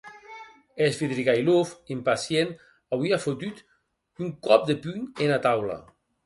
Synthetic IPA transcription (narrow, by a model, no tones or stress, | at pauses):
ezbiðɾiɣajlofimpasjen | awiafot̪yt̪ | uŋkɔp̚d̪epyɲenat̪awla̰